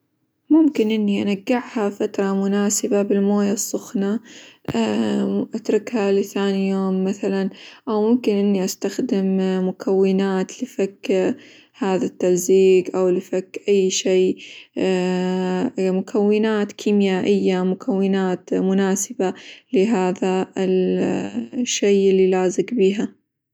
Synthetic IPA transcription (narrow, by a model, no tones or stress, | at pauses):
mʊmkɪnʔɪnːiʔanaɡːɪʕhafat̪ɾˤɑmʊnaːsɪbabɪlmoːjasˤːʊxna | ʔat̪ɾˤɪkhalɪθaːnijoːmːaθalanʔawmʊmkɪnʔɪnːiʔast̪axd̪ɪmmʊkʰawːɪnaːt̪lɪfakː | haːðat̪ːalziːɡʔawlɪfakːʔajːʃeː | mʊkʰawːɪnaːt̪kʰiːmjaːʔɪjːamʊkʰawːɪnaːt̪mʊnaːsɪbalɪɦaːðaɪl | ʃːejʔɪlːilaːzɪkbiːɦa